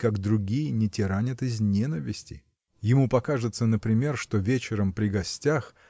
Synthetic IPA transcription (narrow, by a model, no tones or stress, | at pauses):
kaɡd̪ɾʊɡʲijənʲɪtʲɪɾanʲət̪ɪzʲnʲenəvʲɪsʲtʲɪ | jɪmupɐkaʐɨt̪sənəpɾʲɪmʲe̞rʂt̪o̞vʲet͡ɕɪɾəmpɾʲɪɡɐsʲtʲax